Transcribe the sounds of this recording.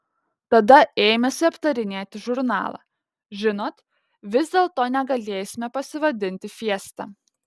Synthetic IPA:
t̪ɐd̪ɐeːmʲɛsʲɪɐpt̪ɐɾʲɪnʲeːt̪ʲɪʒʊɾnɑ̰ːlˠɑ̰ː | ʒʲɪnoːt̪ | ʋʲɪzd̪ʲeːlˠt̪oːnʲɛɡɐlʲeːsʲɪmʲɛpɐsʲɪʋɐd̪ʲɪnʲt̪ʲɪfʲiɛst̪ɑ̰ː

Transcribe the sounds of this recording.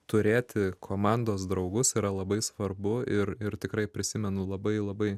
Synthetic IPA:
t̪ʊɾʲeːt̪ʲɪkʰoːmɑnd̪oːs̬d̪ɾɐʊɡʊsiːɾɐlˠɐbɐɪsʋɐrbʊɪɾɪɾt̪ʲɪkɾɐɪpʲɾʲɪsʲɪmʲɛnʊlˠɐbɐɪlˠɐbɐɪ

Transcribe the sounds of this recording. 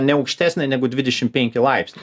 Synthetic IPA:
nʲɛɐʊkʃʲt̪ʲæːsʲnʲɛɪnʲæɡʊd̪ʲʋʲɪd̪ʲɛʃʲɪm̚pʲɛŋʲkʲɪlˠɐɪpʲsʲnʲ

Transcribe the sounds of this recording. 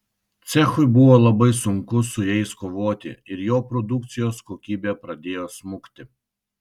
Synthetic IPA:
t̪sʲɛxʊɪbʊʋoːlˠɐbɐɪsʊŋkʊsʊjɛɪskoːʋoːt̪ʲɪ̰ɪɾjoːpɾɔd̪ʊk̚t̪sʲɪjoːskoːkʲiːbʲeːpɾɐd̪ʲeːjoːsmʊkt̪ʲɪ

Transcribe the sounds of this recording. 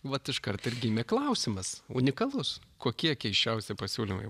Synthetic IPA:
ʋɐt̪ɪʃkɐrt̪ɪrɡʲɪmʲɛklˠɐʊsʲɪmɐsʊ̰nʲɪkɐlˠʊskoːkʲiɛkʲɛɪʃʲt͡ʃʲɛʊsʲɪpɐsʲuːlʲɪmɐ̰ɪ

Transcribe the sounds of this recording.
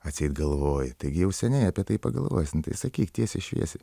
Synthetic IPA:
ɐt̪ʲsʲɛɪt̪ɡɐlˠʋoːjɪt̪ɐɪɡʲɪjɛʊsʲɛnʲɛɪɐpʲiɛt̪ɐɪpɐɡɐlˠʋo̰ːjsʲɪnt̪ɐɪsɐkʲiːkt̪ʲiɛsʲɪʃʲʋʲḭɛsʲɪ

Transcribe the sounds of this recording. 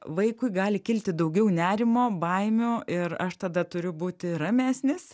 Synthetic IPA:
ʋɐɪkʊɪɡɑːlʲɪkʲɪlʲt̪ʲɪd̪ɐʊɡʲɛʊnʲæːɾʲɪmoːbɐɪmʲʊɪɾɐʃt̪ɐd̪ɐt̪ʊɾʲʊbuːt̪ʲɪɾɐmʲæːsʲnʲɪs

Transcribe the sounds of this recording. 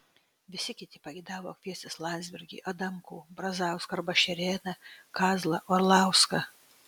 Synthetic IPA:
ʋʲɪsʲɪkʲɪt̪ʲɪpɐɡʲɛɪd̪ɑːʋoːkʲʋʲiɛsʲt̪ʲeslˠɑːnʲd̪ʲzʲbʲɪɾʲɡʲḭːʔɐd̪ɐmkuːbɾɐzɑʊskɐɾbɐʃʲɛɾʲeːnɐkɑːzlˠɐʔoɾlˠɑˑʊskɐ

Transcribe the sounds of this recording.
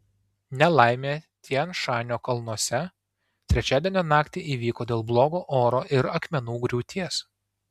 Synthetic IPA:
nʲɛlˠɑˑɪmʲeːt̪ʲiɛnʃɑːnʲoːkɐlˠnuɔsʲɛ | t̪ʲɾʲɛt͡ʃʲæːd̪ʲenʲoːnɑːkt̪ʲeʔiːʋʲiːkoːd̪ʲeːlˠblˠoːɡoːʔoːɾoːʔɪɾɐkmʲɛnuːɡɾʲuːt̪ʲiɛs

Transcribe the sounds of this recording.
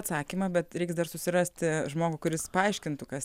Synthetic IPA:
t̪sɑːkʲiːmɐbʲɛt̪ɾʲɛɪksd̪ɐrsʊsʲɪrɑsʲt̪ʲɪʒmoːɡʊkʊɾʲɪspɐɐɪʃʲkʲɪnt̪ʊkɐs

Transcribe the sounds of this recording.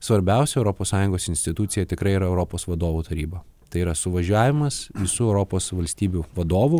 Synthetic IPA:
sʋɐɾʲbʲɛˑʊsʲɛʊɾɔpoːssɑːjʊ̃ŋɡoːsɪnʲsʲt̪ʲɪt̪ʊt̪sʲɪjɛt̪ʲɪkɾɐɪiːɾɐɛʊɾɔpoːsʋɐd̪oːʋuːt̪ɐɾʲiːbɐ | t̪ɐɪiːɾɐsʊʋɐʒʲæːʋʲɪmɐsʋʲɪsuːɛʊɾɔpoːsʋɐlʲsʲt̪ʲiːbʲuʋɐd̪oːʋu

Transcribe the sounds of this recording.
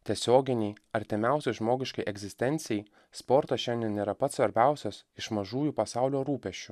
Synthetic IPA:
t̪ʲiɛsʲoːɡʲɪnʲɛɪɐɾʲt̪ʲɪmʲæˑʊsʲɛɪʒmoːɡʲɪʃkɐɪʔɛɡzʲɪsʲt̪ʲɛnʲt̪sʲɪjɛɪ | spɔɾt̪ɐʃʲɛnʲd̪ʲiɛnnʲeːɾɐpɐt̪sʋɐɾʲbʲæˑʊsʲosɪʃmɐʒuːjupɐsɑˑʊlʲoːɾuːpʲɛʃʲt͡ʃʲʊ

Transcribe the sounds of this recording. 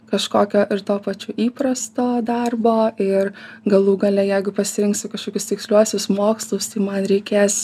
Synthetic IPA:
kɐʃkoːkʲoːʔɪɾt̪oːpɐt͡ʃʲuiːpɾɐst̪oːd̪ɐrboːɪrɡɐlˠuːɡɐlʲɛjɛɪɡʊpɐsʲɪɾʲɪŋksʲɪkɐʃkoːkʲʊst̪ʲɪksʲlʲuɔsʲʊsmoːkslˠʊst̪ɐɪmɐnɾʲɛɪkʲeːs

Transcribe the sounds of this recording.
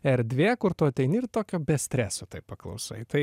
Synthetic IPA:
ɛɾd̪ʲʋʲeːkʊɾt̪ʊːɐt̪ʲɛɪnɪrt̪oːkʲoːbʲɛsʲt̪ʲɾʲæːsoːt̪ɐɪppɐklˠɐ̰ʊsɐ̰ɪt̪ɐɪ

